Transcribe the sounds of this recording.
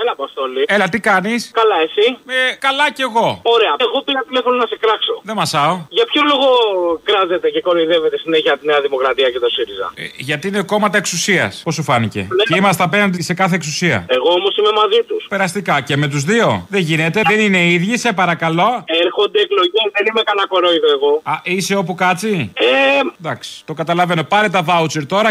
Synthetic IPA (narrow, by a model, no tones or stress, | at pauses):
elɐpɐst̪olielɐt̪ikɐniskɐlɐesiekɐlɐceɣo̞o̞ɾe̞ɐeɣo̞piɾɐt̪ile̞fononɐsekɾɐkso̞̰ðemɐsɐoʝɐpçoloɣokɾɐze̞t̪e̞ce̞ko̞loiðe̞ve̞t̪esineçiɐt̪ineɐðimo̞kɾɐt̪iɐcet̪osiɾizɐ̰ḛʝɐt̪iine̞ko̞mɐt̪ɐeksusiɐ̰spo̞sufɐnice̞̰ceimɐst̪ɐpe̞nɐnd̪ise̞kɐθe̞ːksusiɐ̰eɣo̞omo̞sime̞mɐzit̪uspe̞ɾɐst̪ikɐce̞me̞t̪uzðio̞ðe̞ɲʝine̞t̪e̞ðenine̞iðʝisepɐɾɐkɐlo̞eɾxo̞nd̪eːklo̞ʝiðenimekɐnɐko̞ɾoiðoeɣo̞ɐʔise̞o̞p̬ukɐt͡sied̪ɐksi̥t̪o̞kɐt̪ɐlɐve̞no̞pɐɾet̪ɐvɐut͡seɾt̪o̞ɾɐ